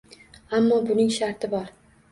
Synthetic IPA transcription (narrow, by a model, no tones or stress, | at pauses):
amːɒbʊnɪŋʃaɾt̪ʰɪbɒɾ